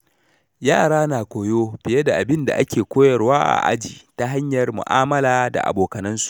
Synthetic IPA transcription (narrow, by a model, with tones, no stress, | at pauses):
jaː˦˨ɽaː˦naː˨kʷoː˨joː˦bɪ˨je˦da˨ʔa˨bɪ˦nda̰˨ʔa˦kʲeː˨kʷoː˦jɐ˨rwaː˦ʔa̰˨ʔa̰˦d͡ʒiː˨ta˦ɦa˦ɲjɐ˨rmʊ̰˨ʔaː˦mɐ˦laː˨da̰˨ʔa̰˨boː˨kɐ˨nɐ˦nsu̥˨ʔ